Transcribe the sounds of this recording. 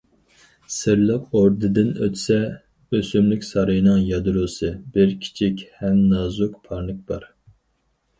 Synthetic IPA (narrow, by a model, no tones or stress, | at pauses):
sɨɾlˠɨqoɾd̪ɨd̪ɨnø̰t̪ʰsɛ | øsymlykʲsɑɾɨjɨnɨŋjɑd̪ɾusɨbɪɾkʲʰi̥t͡ʃʰikʲhɛmnɑzukpʰɑɾnɨk̚b̥ɑɾ